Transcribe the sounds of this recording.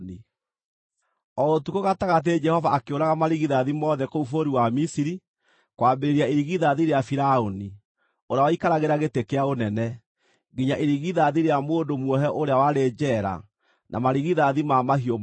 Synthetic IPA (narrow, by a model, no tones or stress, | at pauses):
ni | ɔotukoɣataɣat̬ed͡ʒɛhɔvaːkeoɾaɣamaɾiɣiðaðimɔðɛkoufoɾiwamisiɾi | kwambeɾeɾiaeɾiɣiðaðiɾeafiɾaoni | oɾawaikaɾaɣeɾaɣetekeaonɛnɛ | ɡiɲaʔeɾiɣiðaðiɾeamoːndomwɔɦɛʔoɾeawaɾed͡ʒɛɾa̰ | nʔa̰maɾiɣiðaðimamahio